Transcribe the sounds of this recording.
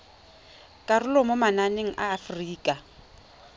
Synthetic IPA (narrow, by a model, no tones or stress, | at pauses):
kʼarʊlɔmomananeŋ̩ʔaːfriːkʼa